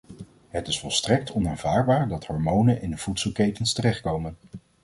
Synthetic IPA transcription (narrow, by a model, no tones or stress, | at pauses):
ɦətɪsfɔlˠstrɛk̚tʰɔnaːnvaːɹbaːɹdɑthɔɹmownənɪndəv̥utsəlˠkejtənstərɛχt̚kowmən